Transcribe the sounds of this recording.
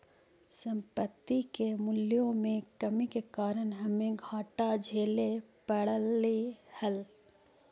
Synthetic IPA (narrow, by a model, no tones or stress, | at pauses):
sə̃mpət̪ːikemʊljõmẽkɐmikekaːɾənɦɐmẽɡʱaːʈad͡ʒʱeːlepəɽəlːihɐl